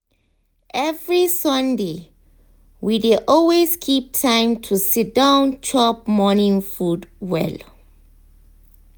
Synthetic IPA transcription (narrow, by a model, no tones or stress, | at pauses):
ʔɛvɹisɔ̃nde | wideʔɔlweskʰip̚tʰãɪ̃mtʰusit̚dãʊ̃nt͡ʃʰɔp̚mɔnĩŋfudwɛ̰l